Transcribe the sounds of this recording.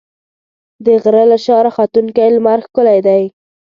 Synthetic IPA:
d̪əɣɾəlaʃɑɾaxat̪uŋkajlmaɾxkʊlajd̪aj

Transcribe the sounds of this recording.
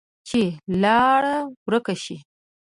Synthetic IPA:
t͡ʃelɑɽawɾəkaʃi

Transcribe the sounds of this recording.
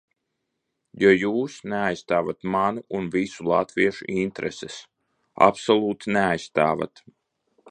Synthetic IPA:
jɔjuːsneajst̪aːvat̪manuʔunvisulˠat̪viɛʃṵʔint̪ɾʔɛsɛs | a̰psolˠuːt̪ineajst̪aːva̰t̪

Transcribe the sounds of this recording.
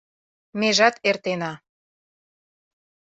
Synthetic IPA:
meʒɑt̪ert̪enɑ

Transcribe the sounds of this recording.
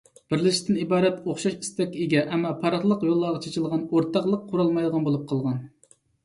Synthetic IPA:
b̥ɪɾlɪʃi̥t̪ʰɪnibɑːɾɛt̪oχʃɑʃi̥st̪ɛkʲeɡʲɛʔɛmːɑpʰɑɾɑχlˠəqjolˠːɑʁɑt͡ʃʰet͡ʃʰɪlˠʁɑnoɾt̪ʰɑqlˠəqʰːʊɾɑlˠmɑjd̪əʁɑnbolˠup̚qʰɑlˠʁɑn

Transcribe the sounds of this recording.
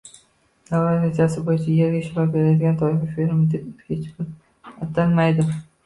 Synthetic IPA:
d̪̥awaɾɪzasɪbojɪt͡ʃʰajeɾɡʲaʃɪɾabʲeɾad̪ɪɡʲant̪ʰɒɪfafeɾɪmd̪ɪp̪̚hʲet͡ʃkʊl | at̪almajd̪ɪ

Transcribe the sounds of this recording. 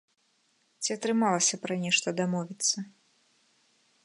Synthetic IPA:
t͡sʲiɐt̪ɾɨmalˠɐsʲɐpɾɐnʲɛʂt̪ɐd̪amɔvʲit̪sːɐ

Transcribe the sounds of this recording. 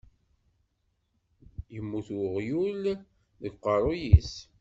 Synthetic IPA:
jəmːuθwʁjul | ðəɡqɑɾˤojis

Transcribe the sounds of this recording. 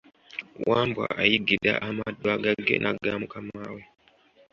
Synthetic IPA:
waːmbwa̰ʔajiɡida̰ʔamadːwaːɡaɡe̞̰nʔaɡamukamaːwe

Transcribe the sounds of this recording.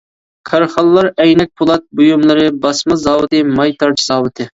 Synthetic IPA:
kʰɑɾχɑlˠːɑɾɛjnɛk̚ʲpʰulˠɑt̪̚bujumlˠɨɾɨbɑsmɨzɑːwɨt̪ɨmɑjt̪ʰɑɾt͡ʃʰizɑːwɨt̪ʰɪ

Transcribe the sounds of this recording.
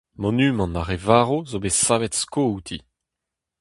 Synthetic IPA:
mɔnyːmɑ̃naʁevaːʁozobesaːvɛt̪skout̪ʰi

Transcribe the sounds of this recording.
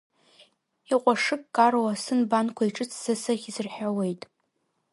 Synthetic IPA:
iqʷʼaʂɨkʼkʼːarwasɨnbankʷʰaiʈ͡ʂʼɨt͡sʰz̥asɨχʲizɨrħawe̞jtʼ

